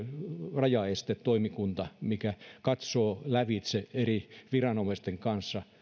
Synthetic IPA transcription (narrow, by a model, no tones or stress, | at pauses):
rɑjɑest̪et̪t̪oimikunt̪ɑmikækɑt̪soːlæʋit̪seeriʋirɑnomest̪eŋkɑnsːɑ